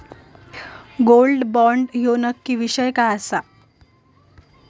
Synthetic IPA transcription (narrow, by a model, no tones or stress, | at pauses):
ɡolɖbɔɳɖjonəkːiːʋiɕəjkajəsa